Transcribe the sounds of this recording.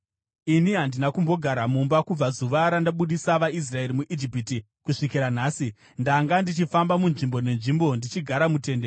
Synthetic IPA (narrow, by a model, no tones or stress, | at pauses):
iniɦandinakumbo̞ɡʱaɾamumbakub͡vazuʋaɾandaɓuɗisaʋais̬rae̞ɾimuʔid͡ʒipiti | kuʂikiɾanaːsi | ndaŋɡandit͡ʃifambamunʐimbo̞ne̞nʐimbo̞ndit͡ʃiɡʱaɾamute̞nde